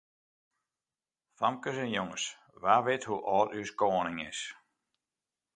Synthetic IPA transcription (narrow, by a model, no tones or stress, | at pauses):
famkəsɛnjoŋəs | ʋaːʋɪthuʔɔːtyskɔːənɪŋɪs